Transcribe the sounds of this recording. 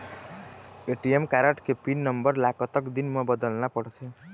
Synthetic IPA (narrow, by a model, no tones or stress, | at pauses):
eʈijemkaɾəʈkepinːəmbəɾlakɔt̪ɔkd̪inmə̃bəd̪əlnapəɽsʰe